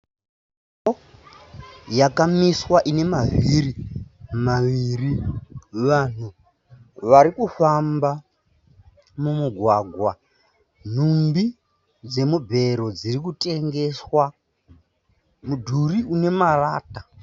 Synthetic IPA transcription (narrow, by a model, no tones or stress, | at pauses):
to | jakamiswaʔine̞maviɾimaʋiri | ʋan̤u | ʋaɾikufamba | mumuɡʱwaɡʱwa | n̤umbi | d͡ze̞mubʱe̞ɾo̞d͡zirikutʼe̞ŋɡe̞swa | mudʱuriʔune̞maraːta